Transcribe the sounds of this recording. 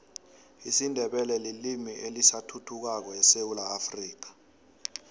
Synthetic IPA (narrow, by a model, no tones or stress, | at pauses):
isindʱɛɓɛlɛlilimiʔelisatʰutʰuk̬ak̬ɔɛsewulaːfriːk̬ḁ